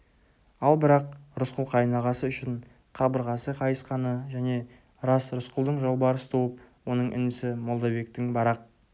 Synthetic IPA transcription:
ɑlˠbɪɾɑq̚ɾʊsqʊlˠqʰɑjnɑʁɑsəʏʃɪɴ | qʰɑbəɾʁɑsəqʰɑjəsqɑnəʒæne̞ | ɾɑsɾʊsqlˠd̪əɴʒolˠbɑɾəsət̪ʰowəp̚wo̞nəɴʔʏ̰nɪsɪmo̞lˠd̪ɑbe̞k̚t̪ɪŋbɑɾɑq̚

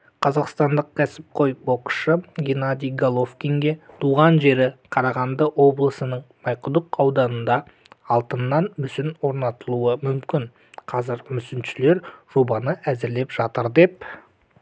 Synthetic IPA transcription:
qʰɑzɑqst̪ɑnd̪əq̚kʲʰæsɪp̚qʰo̞jbo̞qʃəɡʲenad̪ijɡolˠo̞fkʲiŋɡʲe̞t̪ʰuʁɑnʒe̞ɾɪqʰɑɾɑʁɑnd̪əwo̞blˠəsənəɴmɑjqʊd̪əqɑwd̪ɑnənd̪ɑ | ɑlˠt̪ənːɑnmʏsɪnwo̞ɾnɑt̪əlˠuəmʏmkʲɪn | qʰɑzɪɾmʏsɪnʃɪle̞ɾʒ̥o̞bɑnəʔæzɪɾle̞pʒ̥ɑt̪əɾd̪e̞p̚

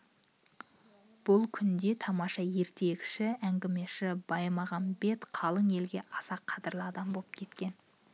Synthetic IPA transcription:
b̥ʊlˠkʲʰʏnd̪e̞t̪ʰɑmɑʃɑje̞ɾt̪e̞ɡʲɪ̥ʃɪæŋɡʲɪme̞ʃɪbɑjmɑʁɑnbe̞t̪qʰɑlˠəŋje̞lɡʲe̞ʔɑsɑqʰːɑt̪əɾlˠəɑd̪ɑmbo̞lˠəp̚kʲʰe̞t̪kʲe̞n

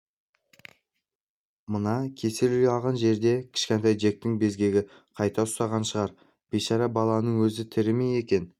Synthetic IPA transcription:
mənɑkʲʰe̞selɪɡʲɑlˠʁɑnʒe̞ɾd̪e̞kʲʰɪ̥ʃkʲent̪ɑjʒe̞k̚t̪ɪŋbe̞zɡʲe̞ɡʲɪ | qʰɑjt̪ɑʊst̪ɑʁɑnʃəʁɑɾ | b̥eʃɑɾɑbɑlˠɑnəɴwɵzɪt̪ʰɪɾɪmeje̞kʲe̞n

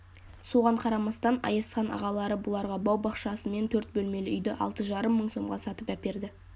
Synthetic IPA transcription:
so̞ʁɑɴqʰɑɾɑmɑst̪ɑnɑ̰jɑsqɑnʔɑ̰ʁɑlˠɑɾəbʊlˠɑɾʁɑbɑwbɑqʃɑsəme̞nt̪ʰɵɾt̪̚bɵlme̞lɪʏjd̪ɪʔɑ̰lˠt̪əʒɑɾəmːəɴso̞mʁɑsɑt̪əpæpe̞ɾd̪ɪ

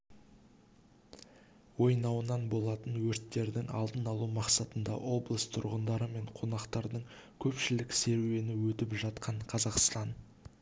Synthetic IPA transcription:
wo̞jnɑwənɑnbo̞lˠɑt̪ənwɵɾt̪ːe̞ɾd̪ɪŋɑ̰lˠd̪ənɑlˠumɑqsɑt̪ənd̪ɑ̰ʔo̞blˠəst̪ʰʊɾʁənd̪ɑɾəme̞ɴqʰo̞nɑqt̪ɑɾd̪əɴ | kʲʰɵpʃɪlɪkse̞ɾwe̞nɪwɵt̪ɪpʒɑt̪qʰɑɴqʰɑzɑqst̪ɑn

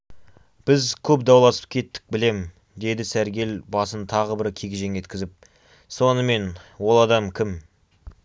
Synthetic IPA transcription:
b̥ɪzkʲʰɵp̚d̪ɑwlˠɑsə̥p̚kʲʰe̞t̪ːɪ̥k̚bɪle̞m | d̪e̞d̪ɪsæɾɡʲe̞lbɑsənt̪ʰɑʁəbɪɾkʲʰeɡʲɪʒe̞ŋe̞t̪kʲɪzɪp̚ | so̞nəme̞nwo̞lˠɑd̪ɑmkʲʰɪm

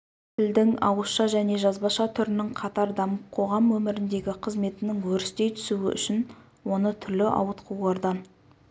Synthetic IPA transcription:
t̪ʰɪld̪ɪŋɑ̰wəsʃɑʒæne̞ʒɑzbɑʃɑt̪ʰʏɾɪnɪŋqʰɑt̪ɑɾd̪ɑməqʰo̞ʁɑmwɵmɪɾɪnd̪e̞ɡʲɪqʰəzme̞t̪ɪnɪŋwɵɾɪst̪e̞jt̪ʰʏ̥suɪ̰ʔʏ̰ʃɪn | wo̞nət̪ʰʏɾlɪʔɑ̰wət̪qʰuwlˠɑɾd̪ɑn

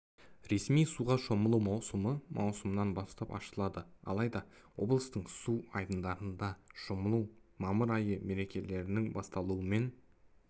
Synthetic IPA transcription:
ɾe̞smijsuʁɑʃo̞məlˠuwmɑwsəməmʔɑ̰wsəmənɑnbɑst̪ɑpɑ̰ʃəlˠɑd̪əɑ̰lˠɑjd̪ɑwo̞̰blˠəst̪əɴsuɑjd̪ənd̪ɑɾənd̪ɑʃoməlˠumɑməɾɑjəme̞ɾe̞kʲe̞le̞ɾɪnɪŋbɑst̪ɑlˠuəme̞n

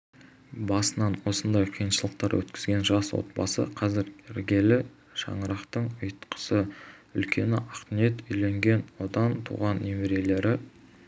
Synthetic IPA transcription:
bɑsənɑnwo̞sənd̪ɑjqʰijənʃəlˠəq̚t̪ɑɾwʔɵ̰t̪kʲɪzɡʲe̞nʒɑswo̞̰t̪̚bɑ̰sə̰qʰɑzɪɾʲɪɾɡʲe̞lɪ | ʃɑ̰ɴəɾɑqt̪əɴʊjt̪qə̥səʏ̰lkʲʰe̞nɪ̰ʔɑq̪ne̞t̪ʏjle̞ŋɡʲe̞nwo̞d̪ɑnt̪ʰṵʁɑnːemeɾe̞le̞ɾɪ

